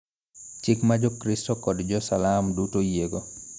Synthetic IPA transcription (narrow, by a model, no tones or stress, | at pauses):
t͡ʃɪkmad͡ʒɔkɾɪstɔkɔdd͡ʒɔsalamdutojeɡo